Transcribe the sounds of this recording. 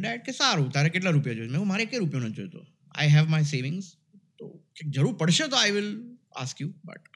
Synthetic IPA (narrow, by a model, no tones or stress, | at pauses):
dɛʈ̚kesaɾut̪aɾekeʈ̬laɾupjad͡ʒoːd͡ʒmɛ̃ɦũmaɾekẽɾupjõnəd͡ʒo̰jt̪o̰ | a̰ɪɦɛʋmaɪseːʋɪ̃ŋz | t̪o̰ked͡ʒəɾuːɾpəɽʃet̪oajʋɪl | a̰skjubɐ̰ʈ̚